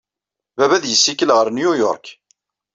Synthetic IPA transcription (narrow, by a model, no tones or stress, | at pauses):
vævæðjəsːikːəlʁəɾnjʊjʊ̰ɾˤk